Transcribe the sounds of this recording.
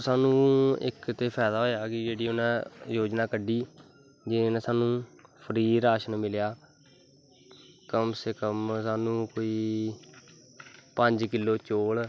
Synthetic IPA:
saːnũːɪ̰kt̪eːpʰɛːd̪aːɦoːjaːkɪd͡ʒeːɽiːʊnɛ̃ːjoːd͡ʒnãːkəɖiː | d͡ʒɪnɛ̃ːsaːnũːpʰəɾiːɾaːʃənmɪljaː | kəmseːkəmsaːnũːkoːiː | pəɲd͡ʒkɪlːoːt͡ʃoːl

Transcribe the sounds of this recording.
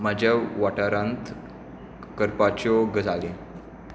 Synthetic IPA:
mad͡ʑʱjaʋaʈaɾãnt̪ | kəɾpat͡ɕɔɡəd͡zalẽ

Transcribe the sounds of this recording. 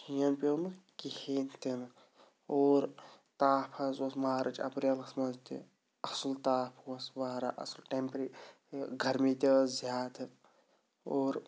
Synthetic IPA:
hijɐnpenɨkiheːnt̪in | oːɾ | t̪aːpʰɐzwɐsmaːɾʔɐt͡ʃɐ̰pɾjɐlɐsmɐzt̪ḭ | ɐsɨlt̪aːpʰwɐsʋaːɾa̰ʔɐ̰slʈempɾiː | ɡʱɐɾmiːt̪eɐzjaːt̪ɨ | oːɾ

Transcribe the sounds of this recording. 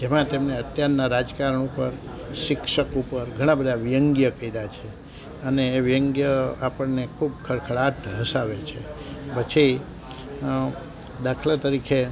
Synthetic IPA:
d͡ʒemãt̪emneət̪jaɾnaɾad͡ʒkaɾəɳupəɾ | ʃikʃəkupəɾɡʱəɽ̃ãbəd̪ʱaʋijəŋɡjəkəiɾat͡ʃʰe | əneːʋijəŋɡjəapəɳnekʰubkʰəɾkʰəɭaʈʰɦəsaʋet͡ʃʰepət͡ʃʰi | d̪akʰlat̪əɾikʰe

